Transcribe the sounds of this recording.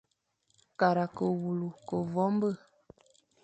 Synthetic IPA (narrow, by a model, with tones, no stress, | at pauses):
ka˨ɾa˨kə˨wu˨lu˨kə˨vɔ˨˦mbə˦˨